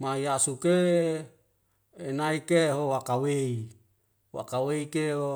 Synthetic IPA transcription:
majasuke | naikeɦowakawei | wa̰kaweikeɦo

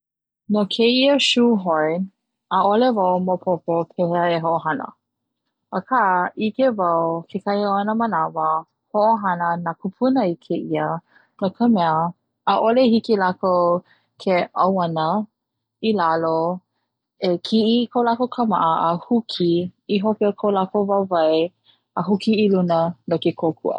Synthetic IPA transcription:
nokʰeiəʃuɦoɹn | əolevɐwmopʰopopʰeheɦoʔoɦɐnə̰ | əkʰaʔʔikevɐwkʰekʰaioɐnəmənavə | hoʔoɦanənakʰupʰunəikʰeiə | nokʰəmɛəː | ʔolehikilako | kʰeɐwanə | ilalo | ekʰiʔikʰolakokʰəma̰ʔəəhukʰiiɦokeokʰolakovavaj | əɦukiːlunənokekʰokʰṵʔə̰

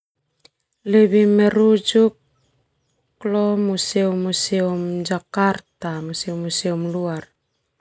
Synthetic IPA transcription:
leβimeɾud͡ʒuk | lomuseumuseumd͡ʒakaɾtamusewmuseumluaɾ

